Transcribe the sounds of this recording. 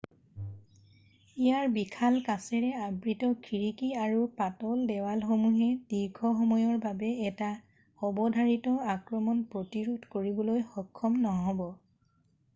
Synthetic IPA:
ijaɹbikʰalkasɛɹɛabɹitɔkʰiɹikiaɹupatɔldɛwalxomuɦɛd̥iɹɡʱɔxɔmɔjɔɹbabɛːta | xɔbɔdʱaɹitɔakɹɔmɔnpɹotiɹudʱkoɹibɔlojxɔkʰːɔmnɔɦɔbɔ

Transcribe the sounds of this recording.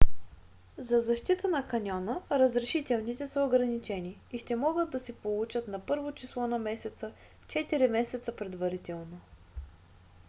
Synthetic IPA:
zɐzɐʃt̪it̪ənɐkɐnʲɔnəɾəzɾɛʃit̪ɛlˠnit̪ɛsəoɡɾɐnit͡ʃɛniːʃt̪ɛmɔɡəd̪̚ːɐsɛpolˠut͡ʃət̪nɐpɤɾvot͡ʃislˠɔnɐmɛsɛt̪sə | t͡ʃɛt̪iɾimɛsɛt̪səpɾɛd̪vɐɾit̪ɛlˠno

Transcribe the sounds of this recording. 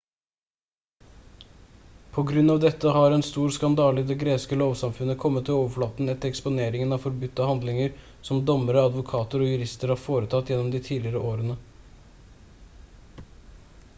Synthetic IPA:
pʰɔɡɾʉnɑːʋd̪ɛt̪ːəhɑɾɛnst̪uːɾskɑnd̪ɑːlɪd̪ɛɡɾeːskəloːʋsɑmfʉnəkʰɔmːət̪ʰːɪloːʋəfɔɭɑːt̪n̩ɛt̪ːəɾɛkspʊneːɾɪŋənɑfɔɾbʉt̪ːəhɑnd̪lɪŋəɾ | sɔmd̪ɔməɾəɑd̪ʋʊkʰɑːt̪əɾɔjʉɾɪst̪əɾhɑːɾfoːɾət̪ʰɑt̪ːjɛnːɔmd̪ɪt̪ʰiːlɪɾəʔoːɾənə

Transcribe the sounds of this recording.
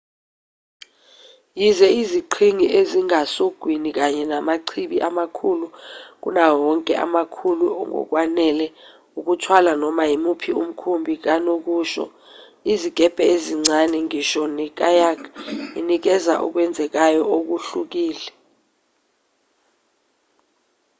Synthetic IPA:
jizɛiziǃʰiŋiʔeziŋasoɡ̥ʱwinik̬aɲɛnamaǀʰiɓiʔamakʰuluk̬ṵnawɔŋkʼɛ̰ʔa̰makʰuluɔ̰ŋɔ̰k̬wanɛlɛ | uk̬utʰwalanɔmajimupʰium̩kʰumbʱik̬anok̬uːʃɔ̰ | iziɡ̥ʱɛb̥ʱɛeziŋ͡ǀanɛŋiʃɔnɛk̬ʼajakʰinik̬ɛza̰ʔɔ̰k̬wɛnd͡zʱɛk̬ajɔok̬uɬuk̬iːlɛ

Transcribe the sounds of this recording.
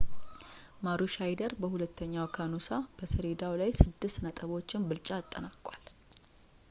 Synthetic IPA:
maɾuʃajd̪əɾbəhulət̪ːəɲːawkʰanusab̥əsəɾed̪awlajsɨd̪ːɨst̪nət̪ʼəβo̞t͡ʃːɪnbɨlt͡ʃʼat̪ʼːənakʼwal

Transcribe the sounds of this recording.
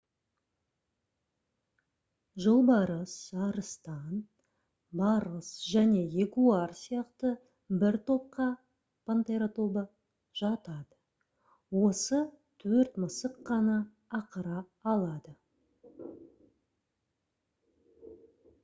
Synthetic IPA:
ʒəlˠbɑɾəsɑɾəst̪ɑn | bɑɾəsʒæne̞e̞kuɑɾsijɑqt̪ə | bɪɾt̪ʰo̞p̚qɑ | pʰant̪eɾot̪o̞bə | ʒɑt̪ɑd̪ə | wo̞sə | t̪ʰɵɾt̪məsəqːɑnɑː | qəɾɑː | lˠɑd̪ə

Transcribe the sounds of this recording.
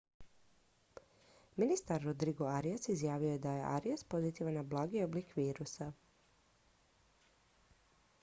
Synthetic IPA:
minist̪aɾːod̪ɾiɡoaɾiasizjaːʋiojed̪aje̞ʔa̰ɾiaspo̞zit̪iʋanablˠaːɡio̞blikʋiːɾusa

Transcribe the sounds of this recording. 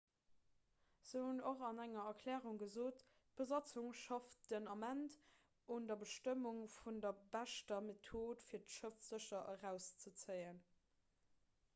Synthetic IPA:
z̥əhunoχɑnæŋɐɐkʰlɛːʁuŋɡəzoːt | b̥əzɑt͡suŋʃɑftd̥ənɑmænt | undɐbəʃtəmuŋfundɐbæʃtɐmetʰoːtfiːɐtʃəfz̥əɕɐʔəʁæʊst͡sət͡səɪən

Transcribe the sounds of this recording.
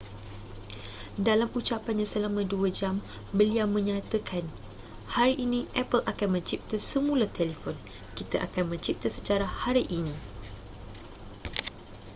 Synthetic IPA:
dalamut͡ʃapanɲãsəlamãduad͡ʒam | bəliawmə̃ɲãt̪əkʰan | haɾiʔːnĩʔɛpəlakanmə̃ɲt͡ʃip̚t̪əsəmũlat̪ɛlifɔn | kit̪aʔa̰kanmə̃ɲt͡ʃip̚t̪əsə̥t͡ʃaɾahaɾiʔinĩ

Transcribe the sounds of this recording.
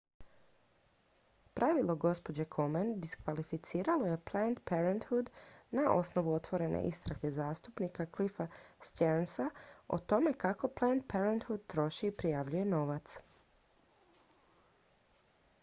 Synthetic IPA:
pɾaʋilˠo̞ɡo̞spo̞d͡ʑekʰo̞mend̪iskʋalifit̪siːɾalo̞je̞plent̪peɾent̪hud̪naʔo̞̰sno̞ʋuo̞t̪ʋo̞ɾe̞nʔḛʔist̪ɾaɡezaːst̪upnikaklifast̪jeɾnsao̰t̪o̞me̞kako̞plant̪̚peɾent̪hud̪̚t̪ɾo̞ʃiːpɾijaʋʎuje̞no̞ʋat̪s

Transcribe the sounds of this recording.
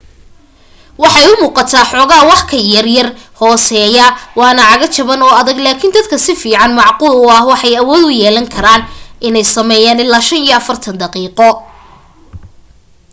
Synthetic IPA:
wɑħɑjʊmuːqɑt̪ʰaːħɔːɣaːwɑħkʰɐjɐrjɐrhɔːsɛːjɐwɑːnɐʕɑɣɐt͡ʃʰɐβɐnɔːɐðɐɡlaːkʰind̪ɐd̪kʰɐsɪfiːʕɑnmɑʕquːlʊɐhwɑħɑjɐwɔːd̪ʊjɛːlɐŋkʰɐɾaːnʔɪnɛjsɐmɛːjaːnɪlːaːʃɐnijɔɐfɐrt̪ʰɐnd̪ɐqiːqɔ

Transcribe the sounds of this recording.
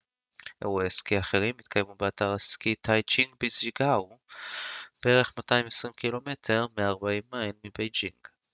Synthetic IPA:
ʔeʁoeskiaχeʁimːit̪̚kʰajmubeataʁeskitʰajt͡ʃiŋɡbiziɡaw | b̥eeʁeχmataimesʁimkilo̞me̞tʰe̞ʁmeaʁbaimːajlmibejd͡ʒiŋɡ̥

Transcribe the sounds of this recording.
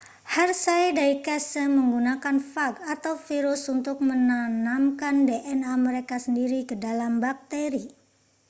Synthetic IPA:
hɛrsajdaikɛsəməŋɡunakanfaɡat̪awfiɾʊsunt̪ʊk̚mənanamkandeʔɛnaməɾekasəndiɾikədalambak̚t̪eɾi

